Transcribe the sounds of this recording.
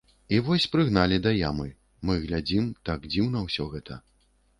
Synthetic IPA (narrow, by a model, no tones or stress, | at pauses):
ivɔsʲpɾɨɣnalʲid̪ɐjamɨ | mɨɣlʲad͡zʲimt̪aɡd͡zʲiwn̪ɐwsʲɔɣɛt̪ɐ̰